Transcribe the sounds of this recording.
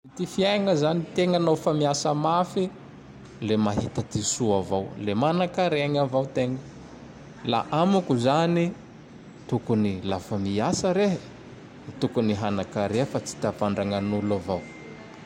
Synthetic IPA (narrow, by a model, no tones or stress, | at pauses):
it̪ifiajŋəzanit̪eŋanofamiasəmafi | lemaɦit̪ət̪isuavowlemanakaɾeaŋavawt̪eŋə | la̰ʔamukuzani | t̪ukunilafamiasəɾeɦ | it̪ukuniɦanakaɾeəfat͡si̥t̪apaɳɖ͡ʐaŋanulavaw